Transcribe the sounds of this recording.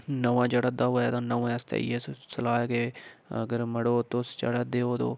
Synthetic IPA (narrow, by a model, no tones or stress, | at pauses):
nəʋãːd͡ʒeːɽaːd̪aːɦoːaːt̪ãːnəʋãəst̪ḛːḭeːssəlaːeɡeːəɡəɾməɽoːt̪osd͡ʒḛːɽaːd̪eːoːd̪o̰ː